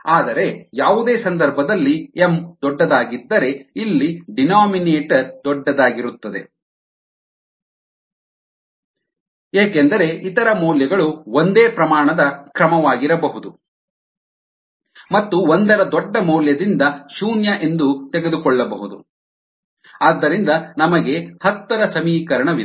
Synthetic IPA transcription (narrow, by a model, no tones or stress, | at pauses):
aːd̪ɐɾe̞jaːʋud̪e̞ːsɐnd̪ɐɾbʱɐd̪ɐlːiemd̪ɔɖːɐd̪aːɡid̪ːɐɾe̞ilːiɖinaːmineːʈd̪ɔɖːɐd̪aːɡiɾut̪ːɐd̪e | eːkend̪ɐɾe̞ʔit̪ɐɾɐmɔːljɐɡɐɭuond̪eːpɾɐmaːɳɐd̪ɐkɾɐmɐʋaːɡiɾɐbɐɦud̪u | mɐt̪ːuond̪ɐɾɐd̪ɔɖːɐmɔːljɐd̪ind̪ɐʃuːnjɐʔe̞nd̪ut̪ɛɡed̪ukɔɭːɐbɐɦud̪ṵ | aːd̪ːɐɾind̪ɐnɐmɐɡe̞hɐt̪ːɐɾɐsɐmiːkɐɾɐɳɐʋilɐ